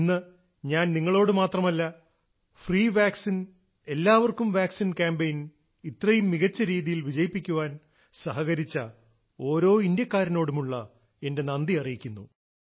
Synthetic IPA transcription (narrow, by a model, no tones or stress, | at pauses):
nːɨ | ɲaːnniŋːɐɭo̞ːɽɨmaːt̪rɐmɐlːɐ | friːʋaːksin | e̞lːaːʋɐrkumʋaːksinkaːmbejn | it̪rɐjumːiɣɐt͡ɕːɐɾiːðijilʋid͡ʑɐjipːikʲːuʋaːn | sɐɦɐɣɐɾit͡ɕːɐ | o̞ːɾo̞ːind̪jɐkːaːɾɐno̞ːɽumuɭːɐ | e̞nde̞nɐnd̪iɐrijikʲːunːu